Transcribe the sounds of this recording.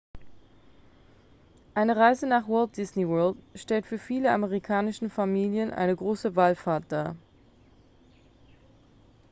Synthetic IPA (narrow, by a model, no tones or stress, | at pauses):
ʔaɪnəʁaɪzənaːχwɔlt̚d̥ɪsniwœɐltʃtɛltfyːɐfiːləʔaməʁikʰaːnɪʃn̩famiːljənʔa̰ɪnəɡʁoːsəvaːlfaːɐt̚d̥aː